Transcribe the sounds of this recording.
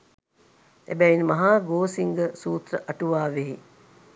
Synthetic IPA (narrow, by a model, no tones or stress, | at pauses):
æ̰bæinmaɦaːɡoːsiŋɡəsuːt̪rəʔɐʈuʋaːʋeɦi